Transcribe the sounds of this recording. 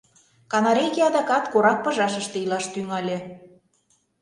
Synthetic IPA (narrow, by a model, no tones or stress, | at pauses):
kɑnɑɾejkeɑd̪ɑkɑt̪koɾɑk̚pɤ̆ʒɑʃəʃt̪ĕilɑʃt̪yŋɑlʲe